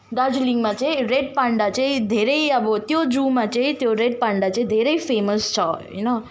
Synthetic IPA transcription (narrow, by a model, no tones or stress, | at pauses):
d̪ad͡ʒliŋɡmãt͡ʃeɾeɖ̚pãɳɖat͡ʃed̪ʱeɾeiabot̪jod͡ʒuːmãt͡ʃet̪joɾeɖ̚pãɳɖat͡ʃed̪ʱeɾeifeːməst͡ʃʰɔjṵno